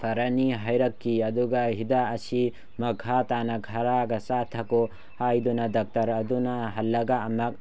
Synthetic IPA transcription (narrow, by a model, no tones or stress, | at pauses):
tʰɐɾaniɦajɾɐkːiɐd̪uɡaɦid̪aːsi | mɐkʰat̪anakʰɐɾaɡɐsat̪ʰɐko | hajd̪unadɐk̚tɐɾɐd̪unaɦɐlːɐɡaːmɐk̚